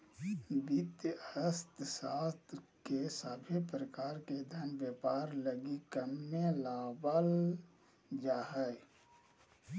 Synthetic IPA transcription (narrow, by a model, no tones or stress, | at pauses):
bɪt̪jəəst̪saːst̪kesabʱepɾəkaːɾked̪ʱənbjeːpaːɾləɡikəmnelaːbəl | d͡ʒaːɦə